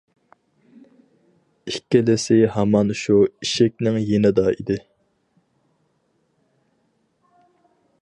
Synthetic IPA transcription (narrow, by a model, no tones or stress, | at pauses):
ikʲːɪlɪsɪhɑmɑnʃuiʃek̚ʲnɪŋjenɪd̪ɑid̪ɪ